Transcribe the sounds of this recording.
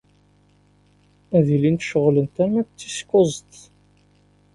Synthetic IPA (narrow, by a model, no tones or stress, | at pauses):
æðilint̪ʃəʁlənt̪æɾmækt͡sːi̥skːozˤt̪